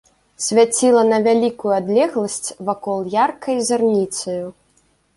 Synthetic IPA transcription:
sʲvʲat͡sʲilˠɐnɐvʲalʲikujuad̪lʲɛɣlˠɐsʲt͡sʲvakɔlˠjarkʰɐjzarnʲit̪sɐju

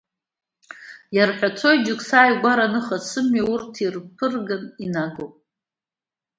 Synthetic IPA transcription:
jarħʷᶣat͡sʰo̞jd͡ʒʊkʰʼsaːjɡʷaɾanɨχasɨmɥiurtʰirpʰɨrɡaninaɡopʼ

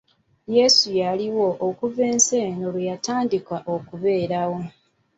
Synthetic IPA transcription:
je̞sujaliwo̞ʔːkuve̞ːnse̞ːnolwejataːndikwaʔokuβe̞ːɾawo̞

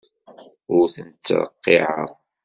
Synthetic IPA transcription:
ʊɾθənt͡sːɾˤə̰qːɪʕə̰ɾˤ

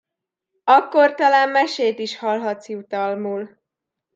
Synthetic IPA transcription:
ɒkːo̞rt̪ɒlaːmːɛʃeːt̪iʃhɒlɦɒt̪siut̪ɒlmuːl

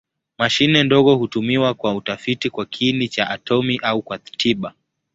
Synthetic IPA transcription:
maʃinɛndɔɣɔhutumiwakwautafitikwakʰinit͡ʃaʔatɔmiʔaukwatʰiɓa

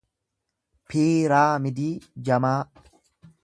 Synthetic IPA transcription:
pʰiːɾaːmɪd̪iːd͡ʒɐmaː

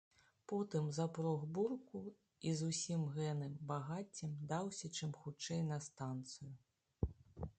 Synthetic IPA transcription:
pɔt̪ɨmzɐpɾɔɣburku | izusʲimɣɛnɨmbaɣat͡sʲːimd̪awsʲɐt͡ʂɨmxut͡ʂɛjnɐst̪ant̪sɨju

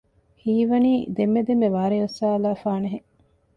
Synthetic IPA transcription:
hiːʋɐniːd̪emːed̪emːeʋaːɾeosaːɐlaːfaːneɦe

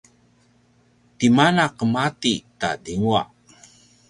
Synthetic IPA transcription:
t̪imanaqəmat̪ita̰diŋua̰

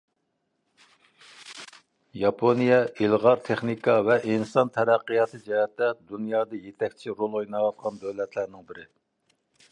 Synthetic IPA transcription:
jɑpʰonijɛilʁɑɾt̪ʰeχnikɑvɛʔinsɑnt̪ʰɛɾæqːijɑt̪ʰɨd͡ʒɛjɛt̪ːɛd̪unjɑːd̪ɑjet̪ʰɛk̚ʲt͡ʃʰiɾolˠojnɑwɑt̪̚qʰɑnd̪øwlɛt̪ʰlæɾnɪŋbɪɾɪ

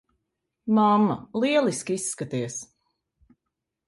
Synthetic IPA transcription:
mamːalˠiɛlˠiskʲisːkat̪iɛs

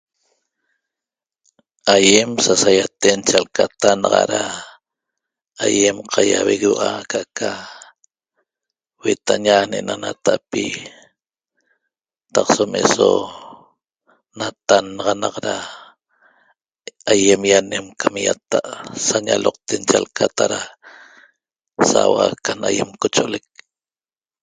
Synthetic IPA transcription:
ajemsasajat̪ent͡ʃalkat̪anɑʁɑ̰ɾa | ajemqʰajaweɣewʔakʰaʔkʰa | wet̪aɲaneʔnanat̪aʔpi | t̪ɑqsomeʔso | nat̪anɑʁɑnɑqɾa | ajemjanemkʰamjat̪aʔsaɲaloq̚t̪ent͡ʃalkat̪aɾa | sawakanajemkot͡ʃoʔolek̚

